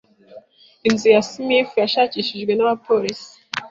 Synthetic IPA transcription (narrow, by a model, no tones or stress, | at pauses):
inzijasimiefujaʃaciʃiʒɡwe̞naβapolisi̥